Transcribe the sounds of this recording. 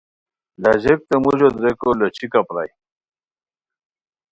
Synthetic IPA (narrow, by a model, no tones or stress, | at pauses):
laʑek̚t̪emuʑod̪ɾekolot͡ɕʰikapɾa̰j